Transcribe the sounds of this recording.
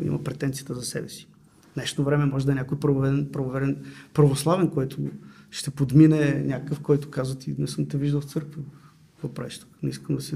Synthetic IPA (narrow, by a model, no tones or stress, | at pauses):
ḭmʔɐ̰pɾɛt̪ɛnt̪sijət̪əzɐsɛ̰bɛsi̥ | nɛʃt̪ovɾɛmɛmɔʒɛd̪ɐɛnʲakojpɾɐvvɛɛnpɾɐvovɛd̪ɛnpɾɐvoslˠavɛnkɔjt̪ʰʊ̰ʃt̪ɛpod̪minɛnʲakəkəfkɔjt̪ʊ̥kazvət̪inɛsɤmt̪ɛviʒd̪əlˠft̪sɤɾkvə | vɐpɾɛ̰t͡ʃt̪u̥knɛiskəmd̪ɐsɛ